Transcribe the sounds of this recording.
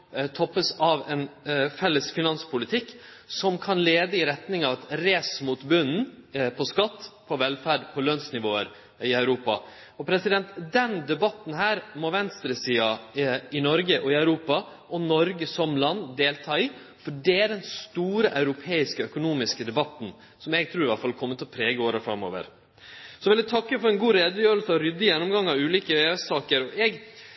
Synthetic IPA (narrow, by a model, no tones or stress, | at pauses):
t̪ʰɔpːəsɑʋɛnfɛlːəsfɪnɑnspʰʊlɪt̪ʰɪkː | sɔmkʰɑnleːd̪əɪɾɛt̪nɪŋɑʋɑt̪ɾeːsmuːt̪bʉnn̩pʰɔskɑt̪ːpʰɔʋɛlfæːɖpʰɔløːnsnɪʋoːə̰ɾ | ɪœʉɾuːpɑ̰ | ɔpʰɾɛsɪd̪ɛnt̪d̪ɛnd̪ɛbɑt̪ːn̩ɦæːɾmɔʋɛnst̪ɾəsiːɑɪnɔɾɡəʔɔɪɑʉɾuːpɑ | ʔɔnɔɾɡəsɔmlɑnːd̪eːlt̪ʰɑːɪ | fɔɖɛæɖɛnst̪uːɾəʔɑʉɾʊpʰeːɪskɔœkʊnuːmɪskəd̪ɛbɑt̪ːn̩ | sɔmɛɡ̚t̪ʰɾuːɾɪʋɑʈfɑlkʰɔmːət̪ʰːɔpʰɾeːɡəoːɾəfɾɑ̰mo̰ːʋə̰ɾ | sɔɛʋɪlæt̪ʰɑkːəfɔɾɛnɡuːɾeːd̪əjøːɾlsəɔɾʏd̪ːəjɛnːʊmɡɑŋːɑʉːliːkəøːøsɑːkəɾɔʔɛɡ